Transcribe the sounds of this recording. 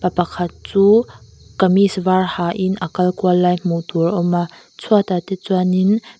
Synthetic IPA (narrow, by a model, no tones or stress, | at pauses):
pɐpɐkʰɐt̪̚t͡suː | kɐmisvarhaːʔɪnʔəkɐlkualːaːjm̥ut̪urʔɔma | t͡sʰuat̪at̪ɛt͡suanin